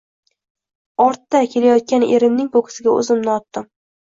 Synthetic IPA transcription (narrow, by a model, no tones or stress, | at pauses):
ɒɾt̪ːakʲʰe̞lajɒt̪̚kʲane̞̰ɾɪmnɪŋpokʰʲɪ̥sɪɡʲaɵ̰zɪmnɪɒt̪ːɪm